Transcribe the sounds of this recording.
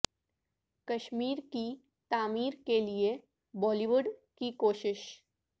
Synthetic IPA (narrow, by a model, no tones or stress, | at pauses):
kəʃmiːɾki | t̪aːmiːɾkelie | bɔːliʋʊɖkikoːʃɪʃ